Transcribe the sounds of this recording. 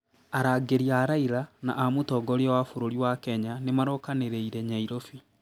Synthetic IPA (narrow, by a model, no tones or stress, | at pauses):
aɾaɡeɾiaɾaiɾana̰ʔamotɔɡɔɾeɔwafoɾoɾiwakɛɲanemaɾɔkaneɾeiɾɛɲaiɾofi